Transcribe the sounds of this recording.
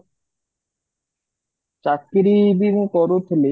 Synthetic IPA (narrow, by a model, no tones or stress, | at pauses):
t͡ɕakːiɾibimkɔɾot̪ʰele